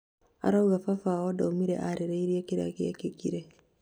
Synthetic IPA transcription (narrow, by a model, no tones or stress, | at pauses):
a̰ɾauɣafafawɔdaumiɾḛʔaɾeɾeiɾiakiɾa̰kiakikiɾe